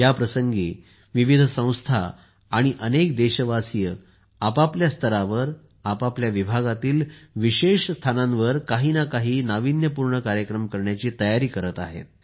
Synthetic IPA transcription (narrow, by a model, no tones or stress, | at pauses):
japɾəsəŋɡiː | ʋiʋid̪ʱəsə̃w̃st̪ʰa̰ː | ɽ̃iʔənekd̪eɕəʋasijə | apapljast̪ʰəɾaʋəɾ | apapljaʋibʱaɡat̪iːlʋiɕeɕst̪ʰanãnʋəɾkaɦiːnakaɦiːnaʋinjəpuɾɳəkaɾjəkɾəmkəɾɳjat͡ɕiːt̪əjaɾiːkəɾət̪aɦḛt̪̚